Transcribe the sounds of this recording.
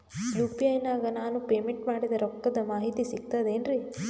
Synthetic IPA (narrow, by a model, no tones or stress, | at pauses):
juːpiɐjnaːɡɐnaːnupeːmeɳʈmaːɽid̪ɐɾɔkːɐd̪ɐmaːɦit̪isiɡ̚t̪ɐd̪eːnɾi